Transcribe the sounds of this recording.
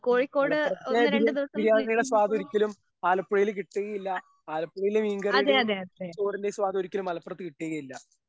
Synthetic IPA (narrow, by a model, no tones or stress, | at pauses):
koːɻikːo̞ːɽɨɐt̪oenːɾeɳɖɨt̪uɐsiljaːŋːɐjuɽeswaːd̪ɐoɾikʲːɐlum | aːlɐpːɽɐjilkiʈːeɣɐjilːɐ | aːlɐpːuɽɐjilumiŋɡɐreɐjðeɐðeɐest̪oːrindeswaːd̪oɾikʲːɐlumɐlɐpːrɐt̪ːɨkiʈːeːɣɐjilːɐ